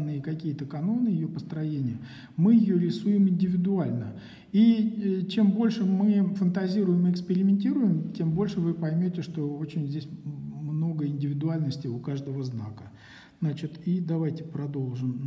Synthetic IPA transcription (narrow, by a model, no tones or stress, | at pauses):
nːɨjəkɐkʲijət̪əkɐno̞nɨjɪjopəst̪ɾɐjenʲɪjə | mɨjɪjoɾʲɪsujɪmɪnʲdʲɪvʲɪd̪ʊalʲnə | it͡ɕe̞mbo̞lʲʂɨmɨfənt̪ɐzʲiɾʊjɪmɨɪkspʲɪɾʲɪmʲɪnʲtʲiɾʊjɪmtʲe̞mbo̞lʲʂɨvɨpɐjmʲotʲɪʂt̪o̞o̞t͡ɕɪnʲzʲdʲesʲmno̞ɡəɪnʲdʲɪvʲɪd̪ʊalʲnəsʲtʲɪʊkaʐd̪əvəzna̰kə | znat͡ɕɪt̪id̪ɐvajtʲɪ̥pɾɐd̪o̞lˠʐɨm